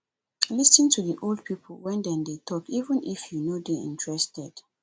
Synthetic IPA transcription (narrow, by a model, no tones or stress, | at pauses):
lisə̃ntʰuðiʔolˠd̚pʰipʰl̩ˠwɛ̃ndɛ̃ndetʰɔkivə̃nifjunodeḭ̃ntɹɛstɛd̥